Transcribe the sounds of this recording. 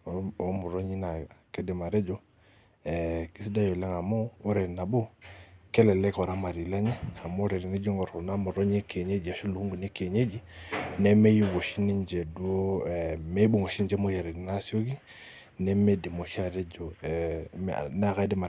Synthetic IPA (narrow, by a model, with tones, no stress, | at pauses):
o˦mu˨ɾo˦ɲi˦na˨ke˦di˨ma˨ɾɛ˦d͡ʒɔ˨ | ɛ˨ki˦si˦da˦jo˨lɛ˦ŋa˨moː˦ɾɛ˨ɾi˨na˨bo˦kɛ˦lɛ˨lɛ˦kɔ˨ɾa˦ma˨ɾi˨la˦ɲɛ˦a˨mo˦ɾɛ˨ɾi˨ne˦d͡ʒi˦ŋɔ˨ɾu˨na˦mu˨ɾo˦ɲ˦e˦kʰe˨ɲe˦d͡ʒi˨a˨ʃu˦lu˨hu˦ŋɡu˨ne˦ke˨ɲe˦d͡ʒi˦nɛ˦me˦ji˦wo˨ʃi˦ni˦nd͡ʒe˨du˦o˦˨me˦ɓu˨ŋo˨ʃi˦nd͡ʒɛ˦mo˦jɛ˨ɾɛ˨ni˨na˦si˦o˦ɡi˦ | nɛ˦me˦di˨mo˨ʃi˦a˦˨ɾɛ˦d͡ʒɔ˨ | m̰na˨ka˦di˦ma˨